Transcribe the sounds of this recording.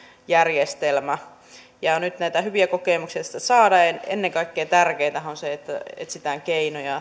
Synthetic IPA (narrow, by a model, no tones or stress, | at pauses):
jærjest̪elmæ | jɑnyt̪næit̪æhyʋiækokeˑmuksiɑsi̥t̪ːæsɑːdɑenḛnːeŋkɑikːeːt̪ærkeit̪æhonseet̪ːæḛt̪sit̪æŋkeinojɑ